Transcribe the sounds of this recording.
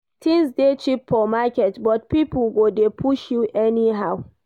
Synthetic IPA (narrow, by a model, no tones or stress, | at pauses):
tɪ̃ŋsdet͡ʃipːɔmakɛtbɔt̚pipʊlɡodepʰuʃjuʔɛniɦaw